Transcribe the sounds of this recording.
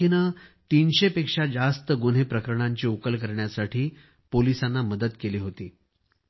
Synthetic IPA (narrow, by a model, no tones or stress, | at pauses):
inət̪inɕepekʂad͡zast̪əɡun̤epɾəkəɾəɳ̃aɲt͡ɕiːukəlkəɾɳjasaʈʰiː | polisanːaməd̪əd̪keliːɦot̪iː